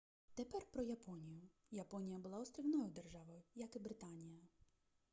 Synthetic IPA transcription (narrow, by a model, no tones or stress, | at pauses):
t̪epɛrpɾɔjɐpɔnʲijʊ | jɐpɔnʲijɐbʊlˠɑɔst̪ʲɾʲiwnɔjʊd̪erʒɑʋɔjʊjɐkɪbɾɪt̪ɑnʲijɐ